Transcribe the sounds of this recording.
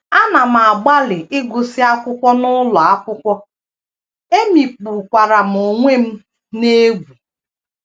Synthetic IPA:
a˦na˨m̩˨a˨ɡ͡ba˦lɪ˨ʔɪ˦ɡʊ˨sɪ˦a˦kʷʊ˦kʷɔ˦nʊ˦lɔ˨a˦kʷʊ˦kʷɔ˦ | e˦mi˨k͡pu˨kʷa˨ɾa˨m̩˨ʊ˨ŋʷe˦m̩˦ | ne˦ɡʷu˨

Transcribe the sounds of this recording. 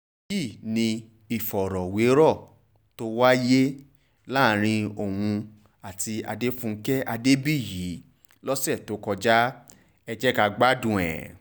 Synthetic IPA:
ji˦˨nĩ˧ | i˨fɔ˨ɾɔ˨we˨˦ɾɔ˦˨ | to˦wa˦je˦ | la˦˨˦ɾ̃ĩ˧o˨wũ˧ | a˨ti˧a̰˧de˦fũ˦˧˦kɛ˦ʔa˧de˦bi˦˨ji˨˦ | lɔ˦sɛ˦˨to˨˦kɔ˧d͡ʒa˦ | ɛ˧d͡ʒɛ˦ka˧ɡ͡ba˦dũ˨ɛ̰̃˨

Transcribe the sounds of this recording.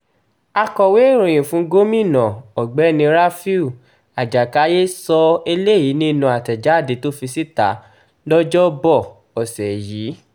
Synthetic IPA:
a˧kɔ˨we˨˦˨ɾ̃ũ˨j̃ĩ˨fũ˨˦ɡo˦mĩ˦˨nã˨ɔ˨ɡ͡bɛ˨˦˨nĩ˧ɾa˦fi˦u˦˨ | a˨d͡ʒa˨ka˨˦je˦sɔ˧e˧le˦˨ji˨˦nĩ˦˧nũ˧˦a˨tɛ˨d͡ʒa˨˦˨de˨˦to˦fi˧si˦ta˨˦ | dɔ˦d͡ʒɔ˦bɔ˦˨ | ɔ˨sɛ˨jiː˨˦

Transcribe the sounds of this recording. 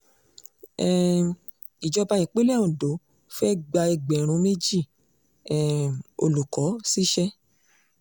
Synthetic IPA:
ɛ˦˨ | i˨d͡ʒɔ˧ba˧jĩ˨k͡pe˦lɛ˦˨ũ˨do˨˦ | fɛ˦ɡ͡ba˧e˧ɡ͡bɛ˨ɾ̃ũ˨˧˦me˦d͡ʒi˦˨ | ɛ˦˨o̰˧lu˨kɔ˨˦si˦ʃɛ˦

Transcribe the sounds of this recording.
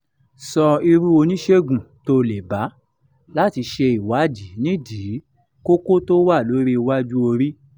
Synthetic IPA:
sɔ˧i˧ɾu˦o˧nĩ˦ʃe˦ɡũ˨to˦˨le˨ba˨˦ | la˦ti˧ʃe˧i˨wa˨˦d͡ʒi˨˦nĩ˦di˨˦ | ko˦ko˦to˦wa˦˨lo˨˦ɾi˦˧wa˦d͡ʒu˦o˧ɾi˦

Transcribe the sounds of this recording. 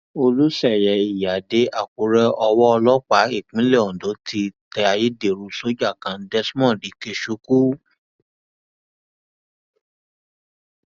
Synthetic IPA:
o˧lu˦ʃɛ˦˨jɛ˨i˨ja˨de˨˦ʔa˨k͡pu˨ɾɛ˧ɔ˧wɔ˦ɔ˧lɔ˦k͡pa˨˦i˦˨k͡pĩ˨˦lɛ˦˨ɔ˨do˨˦ti˧tɛ˧a˧je˦de˨ɾu˧so˦d͡ʒa˦˨kã˨˦dɛ˦smɔ̃˦˨di˨˦ke˧ʃu˧˦ku˦

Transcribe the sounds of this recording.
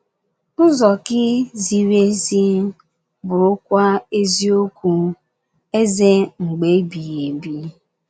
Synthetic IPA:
ʊ˦zɔ˨kɪ˦zi˨ɾe˦si˦ | bʊ˨ʊ˦kʷa˦e˦zi˦o˦kʷu˦ | e˦ze˦ŋ͡m̩˨ɡ͡be˨˦bi˨ɣe˨bi˦

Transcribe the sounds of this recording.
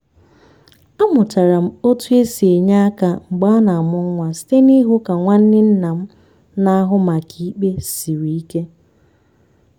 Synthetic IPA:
a˦mʊ˨ta˨ɾa˨m̩˦o˦tu˦e˦si˨e˨ɲa˦ka˨ŋ͡m̩˨ɡ͡ba˦na˨a˨mʊ˦ŋ̩˦ŋʷa˨si̥˨te˦ni˦ɦʊ˦ka˨ŋʷa˦n̩˦nɪ˦n̩˦na˨m̩˦ | na˦a˦ɦʊ˦ma˨kʰi˨˦k͡pe˦si˨ɾi˨i˦ke˦

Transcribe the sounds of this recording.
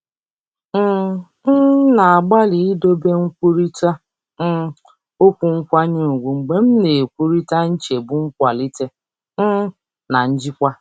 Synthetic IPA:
m̩˦ | na˨a˨ɡ͡ba˦li˨i˦do˦be˦ŋ̩˦kʷu˦ɾi˦ta˦ | m̩˦ | o˦kʷu˨ŋ̩˦kʷa˦ɲe˦˨ɡʷu˨ŋ͡m̩˨ɡ͡be˨m̩˦ne˨kʷu˦ɾi˦ta˦n̩˦t͡ʃe˨bu˦ŋ̩˦kʷa˨li˦te˦ | m̩˦ | na˨n̩˦d͡ʒi˦kʷa˦

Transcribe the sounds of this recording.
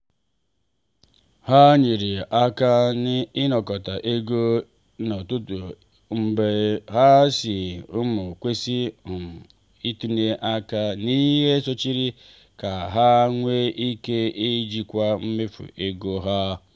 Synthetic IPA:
ha˦ɲi˨ɾi˨ʔa˦ka˦n˦ɪ˦nɔ˨kɔ˨ta˨ʔe˦ɡo˦ | nɔ˨tu˦tu˨ | m̩˨be˨ɦa˦si˨ʊ˦mʊ˨kʷe˦si˦˨m˨ | i˦tu˦ne˦ʔa˦ka˦ni˦ɦe˦so˦t͡ʃi˦ɾi˦ | ka˨ɦa˦ŋʷe˦ʔi˦ke˦e˦d͡ʒi˦kʷa˦m̩˦me˦fṵ˨ʔe˦ɡo˦ɦa˦

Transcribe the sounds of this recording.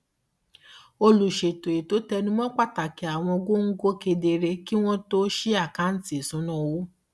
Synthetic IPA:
o˧lu˨ʃe˨to˨e˨to˨˦tɛ˧nĩ˦mɔ̃˦k͡pa˦˨ta˨ki˨˦a˨w̃ɔ̃˧o˧ɡo˦ŋ̩˦ɡo˦ke˧de˧ɾe˧ki˦w̃ɔ̃˦to˦ʃi˦a˦˨kã˨˦n̩˦ti˦˨sũ˨˦nɔ̃˦˨wo˦

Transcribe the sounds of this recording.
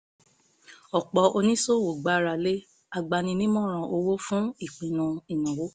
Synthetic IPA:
ɔ˨k͡pɔ˧ʔo˧nĩ˦so˦˨wo˨ɡ͡ba˨˦ɾa˧˨le˦ | a˧˨ɡ͡ba˧nĩ˧nĩ˦mɔ̃˦˨ɾ̃ã˧ʔo˧wo˦fũ˦i˦˨k͡pĩ˨˧nũ˧i˨nũ˨wo˨˦

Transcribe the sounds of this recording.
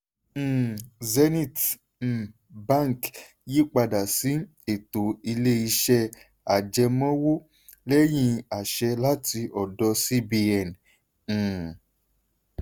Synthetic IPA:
zɛ˧nĩ˦˨t̩˨ | ba˦˨ŋ˨k | ji˦k͡pa˧da˨si˨˦ | e˨to˨i˧le˦i˧ʃɛ˧ | a˨d͡ʒɛ˧mɔ̃˦wo˦ | lɛ˦j̃ĩ˧a˨ʃɛ˧la˦ti˧ʔɔ˨dɔ˧si˦bi˧ɛ˨ñ̩˨

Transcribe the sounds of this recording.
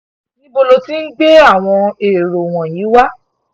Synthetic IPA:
nĩ˦bo˧lo˧ti˦n̩˦ɡ͡be˦a˦˨w̃ɔ̃˧e˨ɾo˨w̃ɔ̃˨ji˨˦wa˦

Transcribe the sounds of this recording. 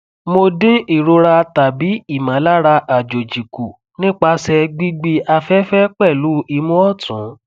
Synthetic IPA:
mo˧dĩ˦i˦˨ɾo˧ɾa˧ta˨bi˨˦i˦˨mã˨˦la˦ɾa˧ʔa˨d͡ʒo˨d͡ʒi˨ku˨ | nĩ˦k͡pa˧sɛ˧ɡ͡bi˦ɡ͡bi˧ʔa˧fɛ˦fɛ˦k͡pɛ˦˨lu˨˦i˧mũ˦ɔ˦˨tʰũ˨˦

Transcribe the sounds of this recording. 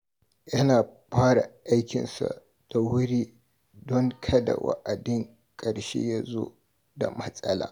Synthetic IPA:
jɐ˦naː˨ɸaː˦ɽa˨ʔa˦jkʲɪ̰˨nsa̰˨ | d̥a˨wʊ˦ɽiː˦ | dɔ˦ŋkʰɐ˦da˨wa̰˦ʔa˨dɪ˦ŋ | kʼɐ˨ɽʃḛ˦ja˦zo̰˦ | da˨mɐ˦sʼɐ˦la̰ː˨

